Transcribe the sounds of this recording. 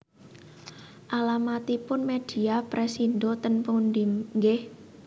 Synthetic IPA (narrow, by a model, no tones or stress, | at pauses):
ʔalamat̪ipʊnmed̥i̤apɾesiddot̪ənpundimŋɡɪh